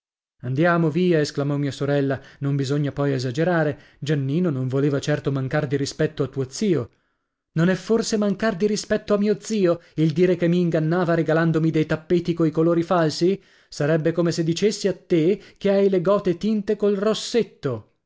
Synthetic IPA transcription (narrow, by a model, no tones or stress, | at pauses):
and̪jaːmoviːaesklamɔmiːasoɾɛlːanombizoɲːapɔjezad͡ʒeɾaːɾe | d͡ʒanːiːnonõɱvoleːvat͡ʃɛrt̪omaŋkard̪iɾispɛt̪ːoat̪ːuod̪ziːo | nonɛfːorsemaŋkard̪iɾispɛt̪ːoamːiːod̪z̥iːoild̪iːɾekemːiːŋɡanːaːvaɾeɡaland̪omid̪ejt̪apːeːt̪ikoikoloːɾifalsi | saɾɛbːekomesed̪ːit͡ʃesːiat̪ːekeajleɡɔːt̪et̪int̪ekolrosːet̪ːo